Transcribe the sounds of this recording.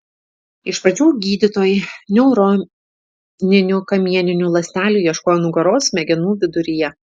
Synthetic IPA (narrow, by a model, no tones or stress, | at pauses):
ɪʃpɾɐt͡ʃʲuːɡʲiːd̪ʲɪt̪oːjɪnʲɾo | nʲɪnʲʊkɐmʲiɛnʲɪnʲulˠɐsʲnʲæːlʲuːjiɛʃkoːjɛnʊɡɐɾoːsmʲɛɡʲɛnuːʋʲɪd̪ʊɾʲɪjɛ